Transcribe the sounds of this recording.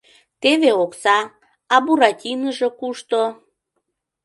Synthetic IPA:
t̪eβeoksɑ | ɑbuɾɑtʲinəʒekuʃt̪o

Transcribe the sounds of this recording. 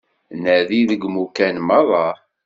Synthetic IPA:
nəðiðəɡmukænmɑðˤɑ

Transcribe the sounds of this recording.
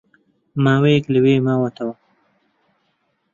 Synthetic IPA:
maːwekliwemaːwat̪awa

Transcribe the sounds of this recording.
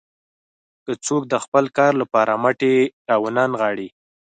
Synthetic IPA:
kət͡sok̚d̪əxpəlkɑɾlapɑɾamaʈeɾɑwənɑnɣɑɽi

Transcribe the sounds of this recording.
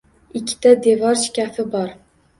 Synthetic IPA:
ikʲʰːɪ̥t̪ɛd̪evɑɾʃi̥kʲafɪbɑɾ

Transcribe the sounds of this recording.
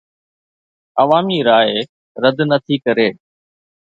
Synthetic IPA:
əʋaːmiːɾaːe | ɾəd̪nət̪ʰiːkəɾeː

